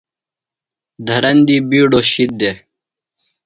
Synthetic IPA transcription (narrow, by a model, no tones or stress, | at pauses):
d̪ʱɐɾɐnd̪iːbiːɖoːɕid̪̚d̪eː